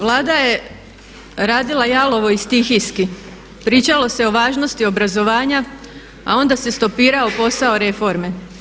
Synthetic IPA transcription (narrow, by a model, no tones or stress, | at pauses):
ʋlˠaːd̪aje̞ | ɾaːd̪ilˠajalo̞ʋo̞ist̪ixiski | pɾiːt͡ʃalo̞se̞o̞ʋaːʒno̞st̪io̞bɾazo̞ʋaːɲa | a̰o̞nd̪ase̞st̪o̞piːɾaopo̞sao̞ɾe̞fo̞ɾme̞